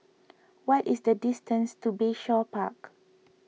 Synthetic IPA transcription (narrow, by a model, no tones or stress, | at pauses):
wɔtisdədistə̃nstubeʃɔpa̰k